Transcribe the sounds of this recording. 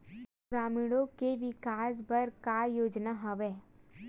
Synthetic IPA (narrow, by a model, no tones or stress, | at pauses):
ɾaːmiɽõkeʋɪkaːsbɐɾkajoːd͡ʒnaɦɐʋeː